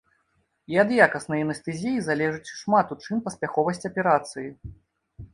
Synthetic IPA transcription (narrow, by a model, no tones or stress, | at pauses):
iɐd̪jakɐsnɐjɐnɐst̪ɛzʲijizalʲɛʐɨt͡sʲʂmat̪ut͡ʂɨnpɐspʲaxɔvɐsʲt͡sʲɐpʲɛɾat̪sɨji